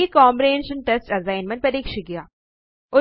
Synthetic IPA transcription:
ikɔːmpɾiɦẽnʃə̃nʈesʈɐzaːɪnmə̃nʈ̚pɐɾiːkʃəɡɪjaː | ʊ

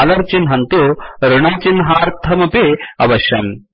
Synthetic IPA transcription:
lɐɾt͡ʃinɦɐnt̪uɾuɳaːt͡ʃinɦaːɾt̪ʰɐmɐpeɐʋɐʃɐ̰n

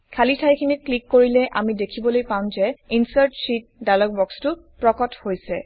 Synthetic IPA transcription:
kʰalitʰajkʰinit̚klikːoɹilɛʔa̰midekʰibɔlojpaʊ̃zɛinsaɹtsit̚dalɔk̚bɔkstʊpɹɔkɔthojsɛ̰

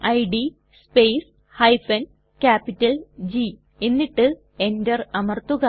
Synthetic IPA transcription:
ɐjɖi | speːs | hɐjfɐn | kaːpːitːɐld͡ʑi | e̞nːiʈːɨ | e̞ndɐrɐmɐrt̪uɣɐ

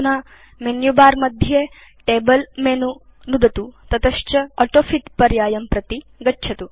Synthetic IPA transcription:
na | menjubaːɾmɐd̪ʱje | ʈebəlmenu | nud̪ɐt̪ut̪ɐt̪ɐʃt͡ʃɐɐʈofit̪pɐɾjaːjɐmpɾɐt̪i | ɡɐtːʃʰɐt̪u

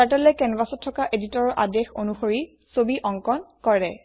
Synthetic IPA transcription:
aʈɛlɛkɛnbasɔtʰːɔkaʔeditɔɹɔʔadɛxonuxoɹi | sobiʔɔŋkɔnkɔɹɛ

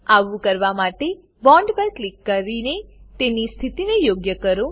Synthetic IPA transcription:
aʋũkəɾʋamaʈe | bɔ̃ɳɖpəɾklikːəɾinet̪enist̪ʰit̪inejoɡjəkəɾõ

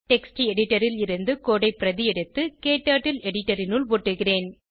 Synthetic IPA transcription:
ʈɛksʈiɛɽɪʈːɐɾɪlɪɾɯnd̪ɯkoːɽɐɪpːɪɾɐðɪɛɽɯt̪ːɯkeːʈːaːʈːɪlɛɽɪʈːɐɾɪnʊlʋoːʈːɯɣɪreːn

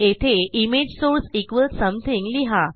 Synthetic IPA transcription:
et̪ʰeimed͡ʑsoɾsikʋəlsə̃mt̪ʰĩŋɡliɦa

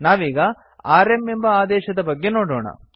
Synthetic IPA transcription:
naːʋiːɡɐ | aːɾemembɐaːd̪ɛːʃɐd̪ɐbɐɡːe̞noːɽoːɳɐ̰

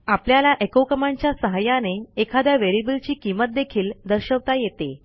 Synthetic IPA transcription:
apljalaʔekowkəmaɲt͡ɕjasəɦajaneːkʰad̪jaʋeɾibəlt͡ɕiːkimət̪̚d̪ekʰiːld̪əɾɕəʋt̪ajet̪e

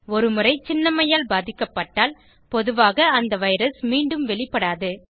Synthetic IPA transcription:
ɔɾɯmɯrɐɪt͡ʃɪnːɐmɐjaːlbaːðɪkːɐpːɐʈːaːl | pɔðɯʋaːɣɐːnd̪ɐʋɐɪɾɐsmiːɳɖɯmʋɛɭɪpːɐɽaːðɯ

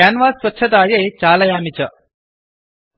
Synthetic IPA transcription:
aːnʋaːsʋɐtːt͡ʃʰɐt̪aːjeːt͡ʃaːlɐjaːmit͡ʃɐ

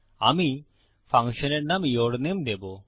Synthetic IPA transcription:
aːmi | pʰãŋkʃəneʈnamjoːɽnimd̪eːbo

